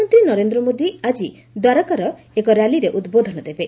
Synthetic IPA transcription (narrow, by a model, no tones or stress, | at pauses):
ɔnt̪ɾinɔɾend̪ɾɔmod̪iad͡ʒi | d̪waɾɔkaɾɔ | ekɔɾjaliɾeʔud̪bod̪ʱɔnɔd̪ebe